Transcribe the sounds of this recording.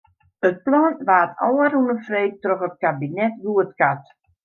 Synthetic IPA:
ət̚plɔːnʋaːtɔːəɾunəfrej̚trɔxət̚kabinɛtɡuətkat

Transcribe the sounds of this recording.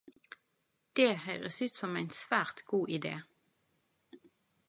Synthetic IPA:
d̪̥eːhœʏʁəsʉːt̪sɔmæɪnsʋæːʁt̪ɡ̥uːʔɪd̪ḛː

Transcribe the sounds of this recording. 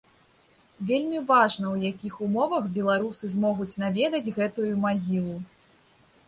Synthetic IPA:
vʲelʲmʲivaʐnɐwjakʲixumɔvɐxbʲɛlˠaɾusɨzmɔɣut͡sʲnavʲɛd̪ɐd͡zʲɣɛt̪ujumaɣʲilˠu

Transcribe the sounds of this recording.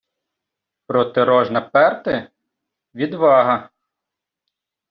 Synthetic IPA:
pɾɔt̪ɪɾɔʒnɐpɛrt̪ɪ | ʋʲid̪ʋɑɦɐ

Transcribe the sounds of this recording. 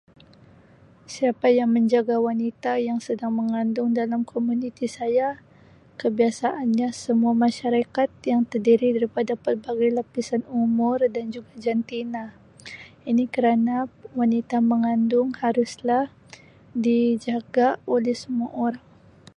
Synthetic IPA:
siapajaŋməɲd͡ʒaɡawanit̪ajaŋsədaŋməŋandʊŋdalamkʰomunit̪isaja | kəbiasaʔanɲasəmuamaʃaɾakat̪̚jaŋt̪ərdiɾidaɾipadapərbaɡajlapisanumʊrdand͡ʒuɡad͡ʒant̪ina | inikəɾanawanit̪aməŋandʊŋhaɾʊslah | did͡ʒaɡaolɛhsəmuaʔoɾaŋ

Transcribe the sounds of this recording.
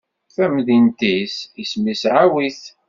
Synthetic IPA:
θæmðint̪isismisʕawiθ

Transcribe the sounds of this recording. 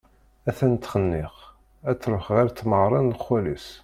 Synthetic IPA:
æθænt̪ːχənːɪʁ | æt͡sːɾʊxʁæɾt͡s̪ːməʁɾˤɑnləχːælis

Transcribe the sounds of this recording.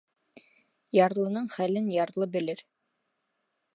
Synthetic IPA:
jɑɾlˠɤ̆nɤɴχælɘnjɑɾlˠɤbɘ̆lɘɾ

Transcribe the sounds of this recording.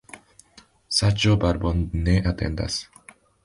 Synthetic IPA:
sat͡ʃobaɾbonneʔat̪ḛ̃nd̪a̰s

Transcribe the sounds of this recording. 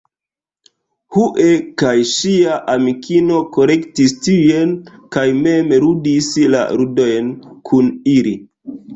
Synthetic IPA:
huʔekajʃiaʔamikʰino̞ko̞ɾe̞ktistiujenkajme̞mɾudisla̰ɾudo̞jnkʰunili

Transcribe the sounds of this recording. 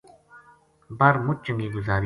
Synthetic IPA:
bɐɾmʊt͡ʃəŋɡiːɡʊzaːɾ

